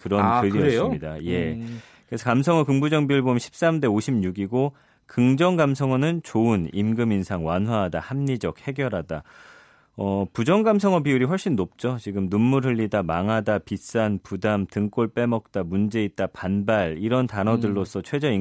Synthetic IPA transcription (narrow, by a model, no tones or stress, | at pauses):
kɯɾʌnkɯɾiʌesmɲidaje̞ | kɯɾe̞sʰʌkamsʰʌŋʌkɯŋbud͡ʑʌŋbiɯɭbomɕʰi̥p̚s͈amde̞oɕʰimɲuɡiɡo | kɯŋd͡ʑʌŋɡamsʰʌŋʌnɯnt͡ɕoɯnimɡɯminsʰaŋwanɦwaɦada̰hamɲid͡ʑʌk̚he̞ɡjʌɾɦada | ʌpud͡ʑʌŋɡamsʰʌŋʌbiuɾiɸwʌɭɕ͈inːop̚t͡ɕ͈ot͡ɕiɡɯmnunːuɾɯʎːidamaŋɦadapis͈anpudamtɯŋk͈oɭp͈e̞mʌk̚t͈amund͡ʑe̞it̚t͈apanbaɭiɾʌntanʌdɯɭːos͈ʰʌt͡ɕʰwe̞d͡ʑʌi